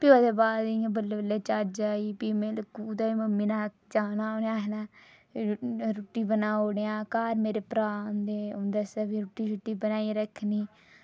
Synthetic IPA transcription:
pɪjoːd̪eːbaːd̪iãːbəlːeːbəlːeːt͡ʃad͡ʒaːiːpiːmẽːləkːuːd̪aːiməmːiːnaː | t͡ʃaːnaːoːnejãːɦenaː | ɾuʈːiːbənaːoːnejãːkaːɾmeːɾeːpɾaːnd̪eːod̪esaːʋiːɾuːʈiːɾuʈːiːbənaːiɾəkʰːniː

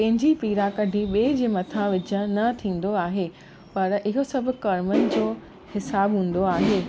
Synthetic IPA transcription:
pɐ̃ɦɪ̃ɲd͡ʑipiːɾakɐɖʱiɓeːd͡ʑeːmɐt̪ʰãʋɪd͡ʑə̆nɐt̪ʰĩːn̆d̪oaːɦeː | pɐɾɪɦosɐbʱʊ̆kɐɾmənɪ̆d͡ʑoː | hɪsaːbɦũːn̆d̪oaːɦeː

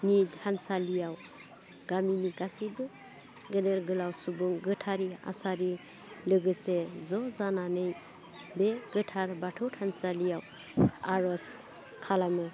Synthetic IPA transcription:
nithansalijaw | ɡ̥aminiɡasibɯ | ɡɯneɾɡɯlawsubuŋɡɯtʰaɾia̰saɾi | lɯɡɯsezɔzananɯj | beɡɯtʰaɾbatʰɯwtʰansalijaw | aɾɔs | kʰalamɯ

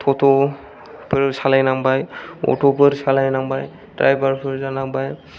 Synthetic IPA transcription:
t̪ʰɔtʰɔ | pɯɹsalajnaŋbajɔ̰topɯɹsalajnaŋbaj | dɹa̰jbaɹpʰɯɹzanaŋbaj

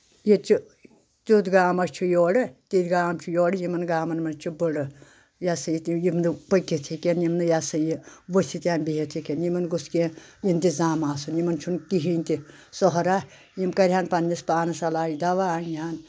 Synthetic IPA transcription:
jit͡ʃi | t̪ud̪ɡaːmɐst͡ʃʰujoːɽɨt̪id̪ɡaːmt͡ʃʰujoːɽɨjimɐnɡaːmɐnmɐnt͡ʃʰubəɽɨ | jasɐjit̪ijimd̪ɨpəkːit̪ʰikenjimnɨjasɐjiʋəsʲit̪ʲjaːnbiɦet̪ʰikʲenjimɐnɡuskijint̪izaːmaːsunjimɐnt͡ʃʰunkiɦinʲt̪i | sɔɦɾa | jimkɐɾʲɦanpɐnːispaːnɐsɐlaːjid̪ɐʋaːnjiaːn

